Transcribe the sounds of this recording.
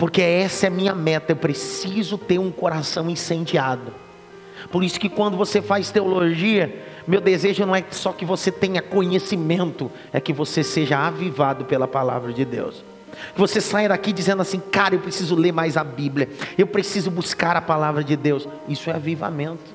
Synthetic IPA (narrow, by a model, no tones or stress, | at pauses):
poɾkeɛsɐɛɐmĩɲɐmɛt̪ɐewpɾesizʊt̪eɾũkoɾasɐ̃w̃ĩsẽnd͡ʒiad̪ʊ | poɾisʊ̥kɪkwɐ̃nd̪ʊvosefajst̪eoloʒiɐmewd̪ezeʒʊnɐ̃w̃ɛsɔkɪvoset̪ẽɲɐkõɲesimẽnt̪ʊ | ɛkɪvoseseʒɐavivad̪ʊpelɐpala̰vɾɐd͡ʒɪd̪ḛws | kɪvosesajɐd̪akid͡ʒizẽd̪ʊasĩkaɾɐewpɾesizʊleɾmajzabiblʲiɐewpɾesizʊbuskaɾɐpalavɾɐd͡ʒɪd̪ews | isʊɛaviva̰mẽnt̪ʊ̥